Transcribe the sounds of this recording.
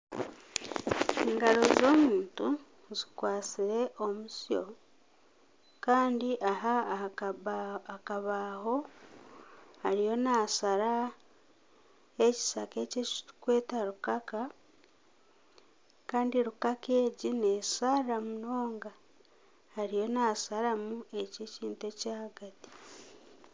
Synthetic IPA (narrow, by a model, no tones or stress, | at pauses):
eŋɡaɾo̞zo̞ːmuːntu | zikwaːt͡siɾe̞ʔomuso̰ | kaːndiʔaɦa | akaβaːho̞ | haɾijo̞naːsaɾa | eci̥sake̞cekwe̞ːtaɾukaka | kaːndiɾukakeːɟinesaɾamunoːŋɡa | haɾijo̞nasaɾamue̞ceciːntecaːɡati̥